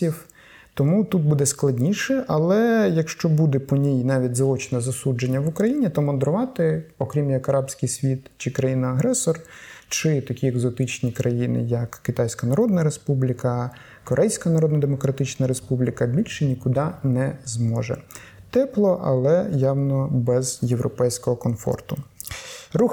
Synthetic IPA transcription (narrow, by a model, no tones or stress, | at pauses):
iw | t̪ɔmut̪ut̪̚bud̪ɛsklˠɐdʲnʲiʃɛʔɐlˠɛjɐkʃt͡ʃɔbud̪ɛpɔnʲijnɑʋʲit̚ʲzɐɔt͡ʃnɛzɐsud͡ʒenʲːɐʋʊkɾɐjinʲit̪ɔmɔnd̪ɾʊʋɑt̪ɪɔkɾʲimjɐkɐɾɑbsʲkɪjsʲʋʲit̪t͡ʃɪkɾɐjinɐɐɦɾɛsɔrt͡ʃɪt̪ɐkʲieɡzɔt̪ɪt͡ʃnʲikɾʔɐjinɪ̰jɐkːɪt̪ɑjsʲkɐnɐɾɔd̪nɐɾespublʲikɐ | kɔɾʔɛjsʲkɐnɐɾɔd̪nɐd̪emɔkɾɐt̪ɪt͡ʃnɐɾespublʲikɐbʲilʲʃɪnʲikʊd̪ɑnɛzmɔʒɛ̰ | t̪ɛplˠɔʔɐ̰lˠɛjɑwnɔbɛzjewɾɔpɛjsʲkɔɦɔkɔnfɔ̰rt̪ʊ | ru